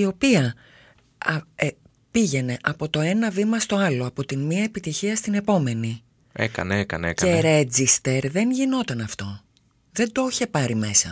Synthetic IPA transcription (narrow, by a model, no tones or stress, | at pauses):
io̞piɐ | ɐe | piʝe̞ne̞ʔɐpo̞t̪o̞e̞nɐvimɐst̪o̞ɐlo̞ɐpo̞t̪inmiɐepit̪içiɐst̪ine̞po̞me̞ni | ḛkɐ̰neekɐ̰nekɐeɾe̞d͡zist̪e̞ɾðe̞nʝino̞t̪ɐnɐft̪o̞ | ðe̞nd̪oçe̞pɐɾime̞sɐ̰